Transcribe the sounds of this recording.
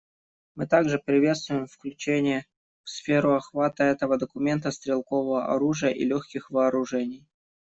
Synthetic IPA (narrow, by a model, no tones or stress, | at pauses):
mɨt̪aɡʐɨpɾʲɪvʲe̞t̪st̪vʊjɪmfklʲʉt͡ɕenʲɪjə | fsfʲeɾʊɐxvat̪əɛt̪əvəd̪əkʊmʲe̞nt̪əst̪ɾʲɪlˠkovəvəʔɐ̰ɾuʐɨjəʔḭlʲoxkʲɪxvɐːɾʊʐɛnʲɪj